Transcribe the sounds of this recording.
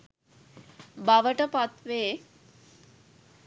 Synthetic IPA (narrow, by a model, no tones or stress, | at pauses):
baʋəʈəpat̪ʋeː